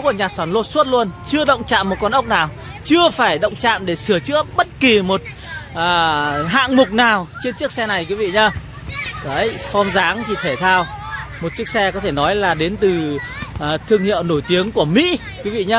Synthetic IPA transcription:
ku˧˩ɲaː˨˩t̚saː˧˩nlo˧su˦˥t̚lu˧ənt͡ɕɨ˧əɗə̰˧˨wŋ͡mt͡ɕa̰ː˧˨mːo˨˩t̚kɔ˧nʔə˦˥wk͡p̚naː˨˩w | t͡ɕɨ˧əfaː˧˩jɗə̰˧˨wŋ͡mt͡ɕa̰ː˧˨mɗe˧˩sɨ˧˩ət͡ɕɨ̰˧˥əɓə˦˥t̚ki˨˩mo˨˩t̚ | ʔaː˨˩ɦa̰ː˧˨ŋmʊ˨˩k͡p̚naː˨˩wt͡ɕe˧nt͡ɕɨ˦˥əksɛ˧na˨˩jkwi˨˦vḭ˧˨ɲaː˧ | ka˨˦jfɔ˧mzaː˨˦ŋt͡ɕʰi˧˩t̪ʰe˧˩t̪ʰaː˧w | mo˨˩t̚t͡ɕɨ˦˥ək̚sɛ˧kɔ˨˦t̪ʰe˧˩nɔ˨˦jlaː˨˩ɗe˨˦nt̪ɨ˨˩˨ | t̪ʰɨ˧əŋhḭ˧˨əwno˧˩jt̪i˨˦əŋku˧˩əmḭ˧˥ | kwi˨˦vḭ˧˨ɲaː˧

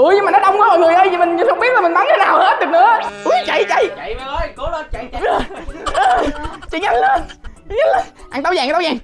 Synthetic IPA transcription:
ʔɨ˧˩əjɲɨ˧maː˨˩nɔ˨˦ɗə˧wŋ͡mkə˧˦ho̰˧˨jŋɨ˨˩əjʔə˧jzi˨˩mï˨˩ŋ̟ɲɨ˨˦˩hə˧˦wŋ͡mɓi˦˥t̚laː˨˩i˨˩ɓa˨˦nɲɨ˧t̪ʰe˦naː˨˩whe˦˥t̚ɗɨ˨˩k̚nɨ̰˧˦˧ʔu˧˦t͡ɕa̰˧˨jt͡ɕa̰˧˩jo˧˦˧ə˨˩ə˧t͡ɕḭ˧˨˦ŋɲa˧ŋlə˧˩nt͡ɕɲ˧˦nləː˧˩ʔaː˨˩ŋt̪ə˧wzaː˨˩˨ə˧wzaː˨˩ŋ

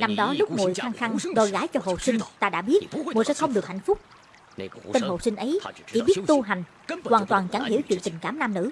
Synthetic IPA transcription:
na˧mɗɔ˨˦lʊ˦˥k͡p̚ŋo̰˨jxaː˧ŋxa˧ŋɗo˨˩jɣaː˨˦jt͡ɕɔ˧ɦo̰˧˨˩sï˧ŋ̟t̪aː˧ɗa̰ː˧˥ɓi˦˥ətŋu˨˩sɛ̰˧˥xə˧wŋ͡mɗɨ˨˩ək̚ha̰˧˨ŋ̟fʊ˦˥k͡p̚ | t̪e˧nɦo̰˧˨˩sï˧ŋ̟ʔə˨˦jt͡ɕḭ˧˥˩ɓi˦˥ətt̪u˧ɦa˨˩jŋ̟ | kwaː˨˩nt̪waː˨˩nt͡ɕa˨˩˦ŋhi˧˥əwt͡ɕwḭ˧˨ənt̪ï˨˩ŋ̟kaː˧˩mnaː˧mnɨ̰˧˥

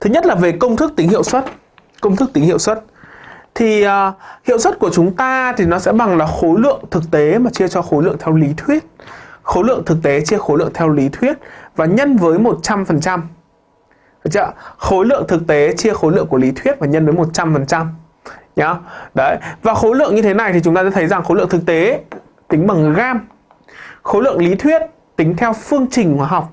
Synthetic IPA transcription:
t̪ʰɨ˨˦ɲə˦˥t̚laː˨˩ve˨˩kə˧wŋ͡mt̪ʰɨ˦˥k̚t̪ï˨˦ŋ̟hḭ˧ə˨wswə˦˥t̚ | kə˧wŋ͡mt̪ʰɨ˦˥k̚t̪i˨˦hḭ˧ə˨wswə˦˥t̚t̪ʰiː˨˩˨hḭ˧˨əwswə˦˥t̚ku˧˩ət͡ɕʊ˨˦ŋ͡mt̪aː˧t̪ʰi˨˩nɔ˨˦sɛ̰˧˥ɓa˨˩ŋlaː˨˩xo˨˦jlɨ̰˧˨əŋt̪ʰɨ˨˩k̚t̪e˨˦maː˨˩t͡ɕi˧ət͡ɕɔ˧xo˨˦jlɨ̰˧˨əŋt̪ʰɛ˧wli˨˦t̪ʰwi˦˥ət̚xo˨˦jlɨ̰˧˨əŋt̪ʰɨ˨˩k̚t̪e˨˦t͡ɕi˧əxo˨˦jlɨ̰˧ə˨ŋt̪ʰɛ˧wli˨˦t̪ʰwi˦˥ət̚vaː˨˩ɲə˧nvəː˨˦jmo˨˩t̚t͡ɕa˧mfə˨˩nt͡ɕa˧m | ə˨˩t͡ɕə̰˧˩xo˨˦lɨ̰˧˨əŋt̪ʰɨ˨˩k̚t̪e˨˦t͡ɕi˧əxo˨˦lɨ̰˧˨əŋku˧˩əli˨˦t̪ʰwi˦˥ət̚vaː˨˩ɲə˧nvəː˨˦jmo˨˩t̚t͡ɕa˧mfə˨˩nt͡ɕa˧m | ɲa˨˧˦ɗə˨˦vaː˨˩xo˨˦lɨ̰˧˨əŋɲɨ˧t̪ʰe˨˦na˨˩jt̪i˨˩t͡ɕʊ˨˦ŋ͡mt̪aː˧z̰aː˧˥t̪ʰə˨˦jza˨˩ŋxo˨˦lɨ̰˧˨ə˨ŋt̪ʰɨ˨˩k̚t̪e˨˦ | t̪ï˨˦ŋ̟ɓa˨˩ŋɣaː˧m | xo˨˦lɨ̰˧˨əŋli˨˦t̪ʰwi˦˥ət̚ | t̪ï˨˦ŋ̟t̪ʰɛ˧wfɨ˧əŋt͡ɕï˨˩ŋ̟hwaː˨˧˩ɦa˨˩wk͡p̚

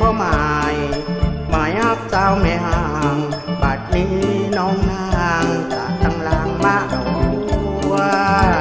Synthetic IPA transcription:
ɔː˧ma˨˩jmaː˨˩jʔa˦˧˩p̚saː˧wme˨˧˦ha˧˨˩ŋbaː˨˩t̪̚li˧˦nɔː˧˦ŋna˧ŋsaː˨˦t̪a˧˩ŋlaː˧˩ŋma˧˥ʔu˨˧

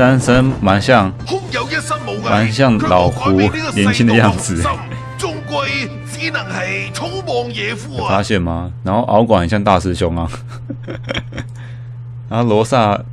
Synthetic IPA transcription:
ta˥nsə˥nma˨˥nɕjɑ˥˨ŋhʊ˥k̚jɐ˨˧wjɐ˥t̚sɐ˥t̚mo˨˧˥ma˧˦nɕjɑ˥˩ŋlɑ˨˩ʊxu˨˥˧ljɛ˧˥nt͡ɕʰi˥nd̪ə˨˧jɑ˥˩ŋd͡zɹ̩˨˩ | t͡sʊ˥ŋkʷɐ˧j | t͡siː˨˥nɐ˨˩ŋhɐ˨jt͡ʃʰʊ˥ŋmɔː˨˧ŋjɛː˨˧fu˨˥˨fa˥ɕjɛ˥˨nmɐ˨na˨˧˥nxo˥˩ʔɑ˧˥ʊkwa˨˩ni˨˩ɕjŋt̪a˥˧˩sɹ̩˥ɕʊ˧˥ŋa˦ | na˨˧˦nho˥˩ʊlwɔ˧˥sa˥˩

